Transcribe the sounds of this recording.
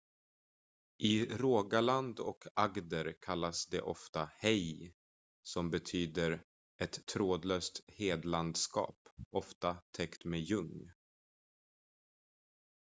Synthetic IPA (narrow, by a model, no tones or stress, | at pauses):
ʔɪɾoːɡaland̪ɔkʰaɡd̪əɾkʰalːasd̪ɛ̰ʔɔft̪ahɛj | sɔmbɛt̪ʰyːd̪əɾ | ɛt̪ʰːɾoːd̪løːst̪heːd̪land̪skɑ̰ːpɔft̪at̪ʰɛkt̪mejɵŋː